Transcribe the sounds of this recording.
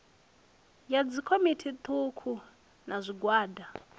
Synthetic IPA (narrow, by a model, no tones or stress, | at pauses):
jad͡zikʰomitʰit̪ʰukʰu | nazʷiɡwaːda